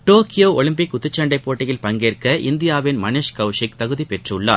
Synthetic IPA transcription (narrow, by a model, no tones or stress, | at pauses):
ʈoːkɪjoːɔlɪmpɪkːʊt̪ːɯt͡ʃːɐɳɖɐɪpːoːʈːɪjɪlpɐŋɡeːrkɐʔɪnd̪ɪjaːʋɪnmɐneːʂkɐʋʂɪk̚t̪ɐɣɯðipɛʈrʊɭːa̰ːɾ